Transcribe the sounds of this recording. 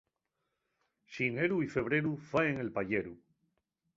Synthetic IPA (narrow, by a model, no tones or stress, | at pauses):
ʃineɾuife̞β̞ɾeɾufaeŋe̞lpaʎeɾu